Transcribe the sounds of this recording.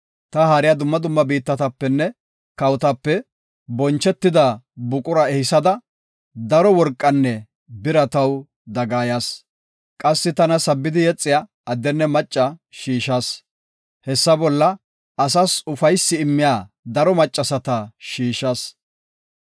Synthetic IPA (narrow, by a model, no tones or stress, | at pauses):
t̪ɐhaːɾɪjad̪ʊmːɐd̪ʊmːɐbiːt̪ːɐt̪ɐpːɛnːɛ | kɐwt̪ɐpːɛ | bɔnt͡ʃːɛt̪ːɪd̪ɐbʊkʼʊɾɐɛhɪsɐd̪ɐ | d̪ɐɾɔwɔɾkʼːɐnːɛ | bɪɾɐt̪ɐw | d̪ɐɡaːjas | kʼɐsːɪt̪ɐnɐsɐbːɪd̪ɪjɛt͡sʼːɪjaː | d̪ːɛnːɛmɐt͡ʃʼːɐʃiːʃɐs | hɛsːɐbɔlːɐ | ɐsɐsʊfɐjsːɪɪmːɪjaː | d̪ɐɾɔmɐt͡ʃʼːɐsɐt̪ɐʃiːʃɐs